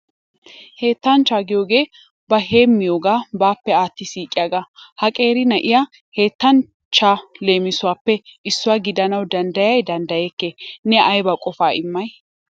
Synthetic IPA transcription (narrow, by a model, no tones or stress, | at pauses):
he̞ːt̪ːɐnt͡ʃaːɡɪjo̞ːɡe̞ː | bɐɦe̞ːmːɪjoːɡaːbaːpːɛaːt̪ːɪsiːkʼːɪjaɡahɐkʼe̞ːɾɪnɐʔɪja | he̞ːt̪ːɐn | t͡ʃːaːle̞ːmɪsʊwaːpːɛʔɪsːʊwaːɡɪd̪ɐnɐwd̪ɐnd̪ɐjɐjd̪ɐnd̪ɐjekːeːnɛʔɐjbɐkʼɔfaːɪmːɐj